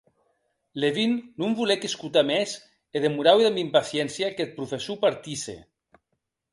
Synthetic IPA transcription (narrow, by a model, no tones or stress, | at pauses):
leβinːumβulekeskut̪ames | eðemuɾaweðamimpasjɛnsjaket̪̚pɾufesupaɾt̪isḛ